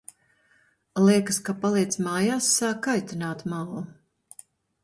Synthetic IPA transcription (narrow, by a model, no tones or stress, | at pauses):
lˠiɛkəskapalˠijt̪smaːjaːsːaːkːajt̪inaːt̪malˠu